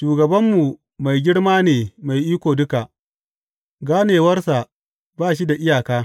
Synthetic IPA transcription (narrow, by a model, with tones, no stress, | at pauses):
ʃuː˨ɡɐ˨bɐ˦mːu˨ | ma˨jɡʲɪ˦ɽmaː˦neː˨ma˨jʔiː˦kʷoː˨dʊ˦ka˨ʔ | ɡaː˦neː˨wɐ˦rsa˨ | baː˦˨ʃi˦da˨ʔɪ˦jaː˨kaː˦